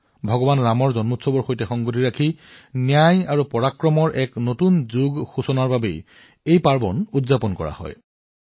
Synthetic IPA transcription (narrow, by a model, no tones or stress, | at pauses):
bʱɔɡɔbanɹamɔɹzɔnmutsɔbɔɹxojtɛxɔŋɡotʰiɹakʰinijajaɹupɔɹakɹɔmɔɹʔɛknotunzuɡxusɔnaɹbabḛj | ejpaɹbɔnudzapɔnkɔ̰ɹa̰hɔ̰j